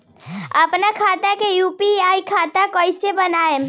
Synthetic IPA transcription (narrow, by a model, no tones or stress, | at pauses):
əpnakʰat̪akejupijaikʰat̪akəjsebənaem